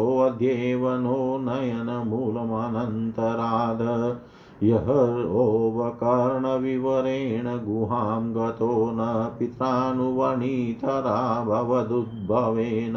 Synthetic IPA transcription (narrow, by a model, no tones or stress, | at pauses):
ʋɐd̪ʱjeːʋɐnoːnɐjɐnɐmuːlɐmanɐnt̪ɐɾaːd̪ʱɐ | jɐɦɐɾoːʋɐkɐɾɳɐʋiʋɐɾeːɳɐɡuɦaːmɡɐt̪oːnɐpit̪ɾaːnuʋɐɳiːt̪ɐɾaːbʱɐʋɐd̪ud̪̚bʱɐʋeːnɐ